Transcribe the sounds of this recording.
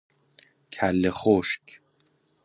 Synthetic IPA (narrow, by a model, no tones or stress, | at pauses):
kʰælːeχoʃk